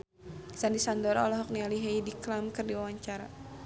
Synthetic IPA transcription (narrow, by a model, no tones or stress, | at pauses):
sandisandɔɾaɔlɔɦɔk̚nialiɦajdiklamkɨrdiwawaɲt͡ʃaɾa̰